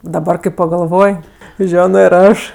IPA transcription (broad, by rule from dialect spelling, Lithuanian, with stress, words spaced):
dɐˈbɐr kɐɪ pɐɡɐlˠˈʋoːj ˈʒʲæːnoː ɪr ˈɐʃ